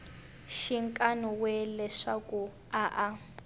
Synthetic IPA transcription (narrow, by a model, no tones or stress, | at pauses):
ʃiŋkʼanɔwɛlɛʂakʼu | aʔa